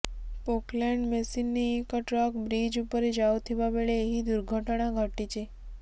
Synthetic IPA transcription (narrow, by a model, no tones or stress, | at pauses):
pokleɳɖmesinːiekəʈɾɔkbɾid͡ʒupəɾed͡ʒawt̪ʰiʋaʋeɭeːɦid̪uɾɡʱəʈɳ̃ãɡʱəʈit͡ʃʰe